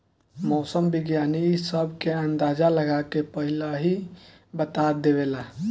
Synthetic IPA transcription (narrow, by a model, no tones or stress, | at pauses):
mɔːsəmbiɡjanisəbʱkeənd̪ad͡ʒaləɡakepəɦilaɦi | bət̪ad̪eβela